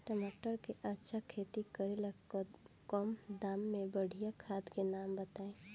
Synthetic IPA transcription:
ʈəmaʈəɾkeʔətːʃʰakʰeːt̪ikəɾel | kɔmd̪aːmːẽbəɽ̤ʱijakʰaːd̪kenaːmbət̪aːẽ

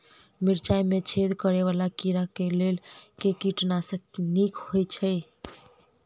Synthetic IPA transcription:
miɾt͡ʃajmet͡ʃʰed̪kəɾeβalakiɾakelelkekiʈnasə̃knikhojt͡ʃʰəɪ

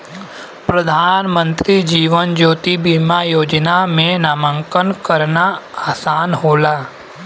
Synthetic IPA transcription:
pɾəd̪ʱaːnmə̃nt̪ɾid͡ʒiːʋənd͡ʒoːt̪ibimajoːd͡ʒnamẽnaːmə̃ŋkənkəɾnaaːsaːnɦoːlaː

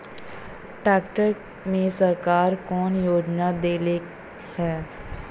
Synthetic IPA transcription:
ʈɛːkʈəɾk | mẽsɐɾkaːɾkɔːnjoːd͡ʒnad̪eːle | hɛː

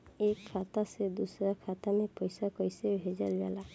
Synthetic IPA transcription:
ekʰːat̪ased̪usɾakʰat̪amepɔjsakɔjsebʱed͡ʒalba̰la

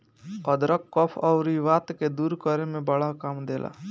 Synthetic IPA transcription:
əd̪ɾəkːɔpʰɔʊɾiʋaːt̪ked̪uːɾkəɾemẽbəɽakaːmd̪eːlʔa̰ː

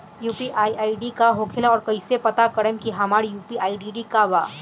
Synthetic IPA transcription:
juːpiʔaːiʔaːiɖikaɦokʰelaɔːɾkɐisepɐt̪akɐɽəmkiɦɐmaːɽijuːpiaːiɖiɖikaʋaː

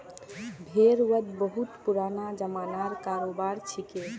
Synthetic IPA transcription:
bʱeɾwəd̪bəɦut̪puɾanad͡ʒəmanaɾkaɾobaɾt͡ʃʰike

